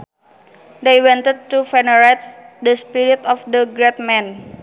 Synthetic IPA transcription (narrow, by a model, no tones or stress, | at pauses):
dejwɛ̃nt̪ɛd̪̚tufɛnəɾat̪̚dəspiɾit̪ɔfdəɡɾɛt̪̚mɛ̃n